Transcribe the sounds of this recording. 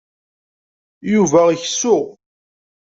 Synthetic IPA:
juvæiçsːʊʁ

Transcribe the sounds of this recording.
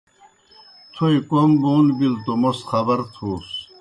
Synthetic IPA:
t̪ʰojkomboːnbilt̪omosxɐbɐɾt̪ʰuːs

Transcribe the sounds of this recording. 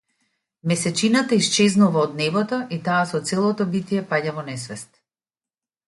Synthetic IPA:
mɛsɛt͡ʃinat̪aist͡ʃɛznuvaɔd̪nɛbɔt̪ɔit̪aːsɔt̪sɛlˠɔt̪ɔbit̪ijɛpaɟavɔnɛsvɛst̪

